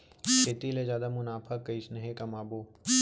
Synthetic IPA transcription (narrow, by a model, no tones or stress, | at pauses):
kʰeːt̪ilezjaːd̪amʊnaːpʰakːɐɪsnɐɦekɐmaːboː